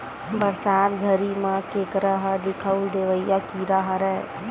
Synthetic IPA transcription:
bəɾsaːt̪ɡʱəɾimãkeːkɾəɦəd̪ɪkʰəud̪eːʋəijakiɾaɦɾɛ

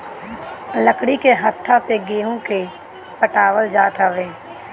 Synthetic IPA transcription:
ləkɽikeɦət̪ʰːaseɡeːɦõke | pəʈaːʋəld͡ʒaːt̪ɦəʋeː

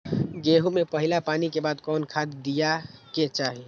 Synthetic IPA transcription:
ɡeːɦumepəɦɪlapaːnikebaːd̪kɔːnkʰad̪d̪ijaket͡ʃaːɦi

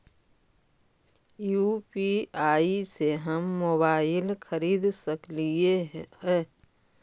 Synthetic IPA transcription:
juːpiaːiseɦɐmːoːbaːɪlxəɾiːd̪səkliehɛ̃ː

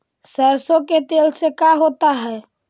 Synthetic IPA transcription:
səɾsõket̪eːlsekaɦoːt̪aɦɛː

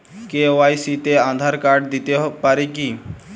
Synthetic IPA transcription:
keʋajsit̪eãnd̪ʱaɾkaɾɖd̪it̪epaɾeki

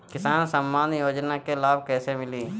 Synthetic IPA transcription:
kɪsaːnsəmːaːnjoːd͡ʒnakelaːb̚kɛːsemɪliː

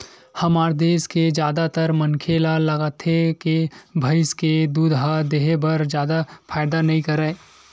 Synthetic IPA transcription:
hɐmaːɾd̪eːsked͡ʒjaːd̪at̪əɾmənkʰelalɐɡaːt̪ʰekebʱɐɪsked̪uːd̪ɦad̪eːɦebɐɾd͡ʒjaːd̪apʰaːɪd̪anɐɦĩkɐɾɛː

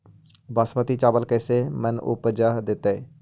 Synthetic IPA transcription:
basmət̪it͡ʃaːbəlkɛːsemɛnʊ̰pd͡ʒaɦd̪ɪt̪e

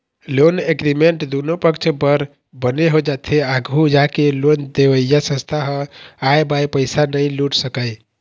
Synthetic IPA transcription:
loneɡɾimeɳʈd̪unopəkt͡ʃʰpəɾ | bəneɦod͡ʒat̪ʰeaɡʱud͡ʒakelond̪eʋəjjasə̃st̪ʰaɦə̃ajbajpəjsanəjluʈsəkəj

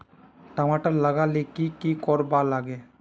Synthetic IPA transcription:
ʈəmaːʈəɾləɡalekikikɔːɾbaːlaːɡeː

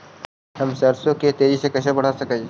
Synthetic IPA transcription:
hɐmsɐɾsõket̪eːd͡ʒisekɐʃʰabɐɽ̤asɐkə̃

